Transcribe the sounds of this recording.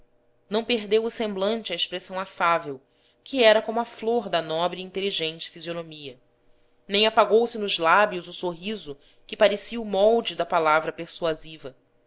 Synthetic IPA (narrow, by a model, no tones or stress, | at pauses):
nɐ̃w̃peɦd̪ewʊsẽmblɐ̃nt͡ʃɪɐeʃpɾesɐ̃w̃afavew | kʰiɛɾɐkõmʊɐfloɾd̪ɐnɔbɾɪĩnt̪eliʒẽnt͡ʃɪ̥fizionomiɐ | nẽj̃apaɡowsɪnʊʒlabjʊzʊsoɦizʊ | kɪpaɾesiɐumɔwd͡ʒɪd̪ɐpalavɾɐpeɾsuazivɐ